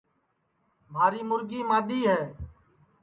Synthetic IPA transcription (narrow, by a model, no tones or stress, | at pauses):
mʱaːɾiːmʊɾɡiːmaːɗ̪iːɦɛː